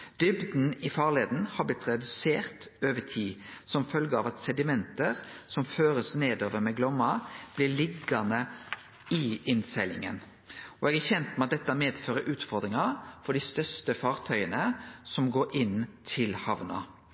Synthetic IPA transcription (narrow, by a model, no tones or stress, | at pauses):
d̪̥ʏbd̪n̩ɪfɑːʁɭeːd̪n̩hɑblɪt̪ɾɛd̪ʉseːʁt̪øːʋət̪ʰiːsɔmfœlɡəɑ̰ʋɑt̪sɛd̪ɪmɛnt̪əɾsɔmføːɾəsneːd̪oːʋəɾmɛɡlɔmːɑb̥lɪɭɪɡːɑnə | ɪɪnsɛlɪ̰ŋə̰n | ɔɛɡæçɛnt̪mɛɑt̪̚d̪ɛt̪ːæmeːd̪føːɾəɾʔʉːt̪fɔɾd̪ɾɪŋɑfɔɖist̪œɾst̪əfɑːʁt̪ʰœʏənəsɔmɡoːɾʔɪnt̪ʰɪlhɑʋnɑ̰